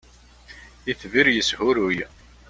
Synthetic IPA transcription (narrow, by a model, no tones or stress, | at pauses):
iθviɾjəshʊɾuj